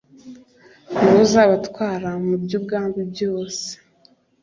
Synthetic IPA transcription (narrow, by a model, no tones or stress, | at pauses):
nuzaβatwaːɾamubɟub̚ɡaːŋɡubjo̞ːse̥